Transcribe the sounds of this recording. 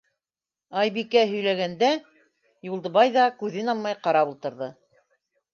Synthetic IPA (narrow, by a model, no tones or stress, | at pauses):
ɑjbikæɦɵ̆jlæɣænd̪æ | julˠd̪ɤ̆βɑjðɑkʉðɘnɑlˠmɑjqɑɾɑpulˠt̪ɤ̆ɾðɤ